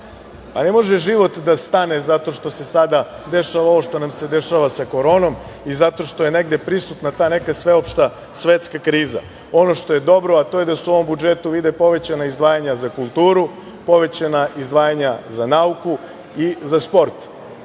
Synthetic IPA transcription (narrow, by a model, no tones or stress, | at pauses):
pane̞mo̞ʒeʒiʋo̞t̪d̪ast̪ane̞zat̪o̞ʃt̪o̞sesad̪ad̪e̞ʃaʋao̞ʋo̞ʃt̪o̞namse̞d̪e̞ʃaʋasako̞ɾo̞ːno̞m | izat̪o̞ʃt̪o̞je̞ne̞ɡd̪e̞pɾisut̪nat̪aːne̞kasʋe̞opʃt̪a | sʋet̪skakɾiːza̰ | o̞no̞ʃt̪o̞je̞d̪o̞bɾoat̪oje̞d̪asuuoʋo̞mbud͡ʒet̪uʋid̪epo̞ʋe̞t͡ɕanaizd̪ʋaːjaɲazakulˠt̪uːɾu | po̞ʋe̞t͡ɕanaʔizd̪ʋaːjaɲazanauku | izaspo̞ɾt̪